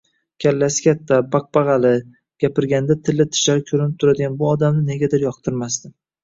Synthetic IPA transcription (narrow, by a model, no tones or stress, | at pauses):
kʲʰalːasɪkʲat̪ʰːabaq̚bɑʁɑlɪ | ɡ̥ʲapɪɾɡʲand̪at̪ʰɪlːɪt̪ʰɪ̥ʃlaɾɪkʲʰɵɾɪnɪp̚t̪ʰʊɾad̪ɪɡʲanbʊɒd̪amnɪne̞ɡʲad̪ɪɾjɒqt̪ʰɪɾmast̪ɪ